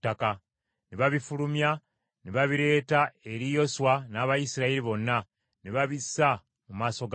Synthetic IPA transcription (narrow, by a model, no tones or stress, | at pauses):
tːaka | neβaβifulumja | neβaβiɾe̞ːtae̞ɾijo̞swanaːβajisiɾaeɾiβo̞nːa | neβaβisa | mumaːso̞ɡ